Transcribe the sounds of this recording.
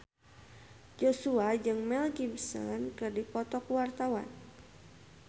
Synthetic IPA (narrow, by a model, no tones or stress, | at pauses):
d͡ʒosuad͡ʒɨŋmɛlkimsɔ̰nkɨrdipɔt̪ɔkuwart̪awa̰n